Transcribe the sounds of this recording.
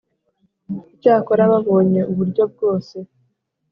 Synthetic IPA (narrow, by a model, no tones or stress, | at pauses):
icaːko̞ɾaβaβo̞ːɲe̞uβuɾɟo̞b̚ɡo̞ːse̞